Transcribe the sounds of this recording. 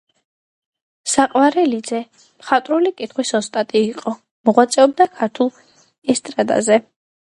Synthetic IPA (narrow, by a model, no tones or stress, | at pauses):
saqʼwaɾɛlid̪zɛ | mχat̪ʼɾulikʼit̪ʰχwisɔst̪ʼat̪ʼiːqʼɔ | mɔʁwat̪sʼɛɔb̚d̪akʰaɾt̪ʰulˠ | ɛst̪ʼɾad̪a̰zɛ